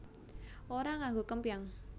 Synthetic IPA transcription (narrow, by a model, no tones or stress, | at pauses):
ʔoɾaŋaŋɡokəmpijaŋ